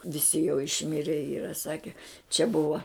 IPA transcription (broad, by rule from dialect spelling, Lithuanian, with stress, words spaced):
ʋʲɪˈsʲɪ jɛʊ ɪʃʲˈmʲɪrʲɛ ˈiːrɐ ˈsɑːkʲɛ t͡ʃʲɛ ˈbʊʋɐ